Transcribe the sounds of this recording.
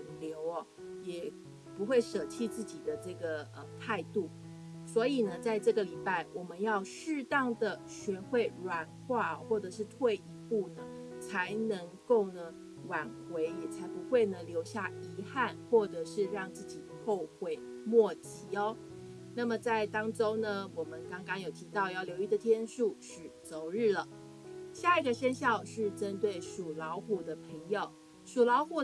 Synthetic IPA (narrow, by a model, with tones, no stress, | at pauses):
nljo˧˥ʊɐ˧ | jɛ˨˩ | pu˧˥xwe˥˩ɪʂə˨˩t͡ɕʰi˥˧t͡sɹ̩˥˩t͡ɕi˨˩d̪ə˦ʈ͡ʂɤ˥˩ɡə˩ə˧t̪ʰa˥˧ɪt̪u˥˩ | swɔ˧˥i˨˩nə˦t͡sa˥˧ɪʈ͡ʂɤ˥˩ɡə˩li˨˩pa˥˩ɪwʔɔ˨˩mə˦njɑ˥˧ʊʂɻ̩˥˧t̪ɑ˥˩ŋd̪ə˩ | ɕɥɛ˧˥xwe˥˩ɪɻwa˧˥nxwa˥˩ɔ˩xwɔ˥˩ʈ͡ʂɤ˨˩ʂɻ̩˥˧t̪ʰwe˥˩ɪi˧˥pu˥˩nə˩t͡sʰa˧˥ɪnə˧˥ŋko˥˩ʊnə˩ | wa˨˩nxwe˧˥ɪjɛ˨˩t͡sʰa˧˥ɪpu˧˥xwe˥˩ɪnə˩ljo˧˥ʊɕja˥˩i˧˥xa˥˩˧nxwɔ˥˩ʈ͡ʂɤ˨˩ʂɻ̩˥˧ɻɑ˥˧ŋt͡sɹ̩˥˩t͡ɕi˨˩xo˥˧ʊxwe˥˩ɪ | mwɔ˥˩t͡ɕi˧˥ɔ˦ | na˥˩mə˩t͡sa˥˩ɪt̪ɑ˥ŋʈ͡ʂo˥ʊnə˨wɔ˨˩mə˨˦nkɑ˥ŋkɑ˥ŋjo˨˩ʊt̪ʰi˧˥t̪ɑ˥˧ʊjɑ˥˩ʊljo˧˥ʊi˧˥˩d̪ə˨t̪ʰjɛ˥nʂu˥˩ʂɻy˨˩t͡so˧˥ʊɻɻ̩˥˩lə˩ | ɕja˥˧i˧˩ɡə˨˩ɕɛ˥nɕjɑ˥˧ʊʂɻ̩˥˩ʈ͡ʂə˥nt̪we˥˩ɪʂu˨˩lɑ˧˥ʊxu˨˩d̪ə˦pʰə˧˥ŋjo˨˩ʊ | ʂu˨˩lɑ˧˥ʊxu˨˩